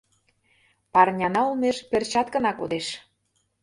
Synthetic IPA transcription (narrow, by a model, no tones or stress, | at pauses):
pɑrnʲɑnɑulmeʃpert͡ɕɑt̪kə̆nɑkod̪eʃ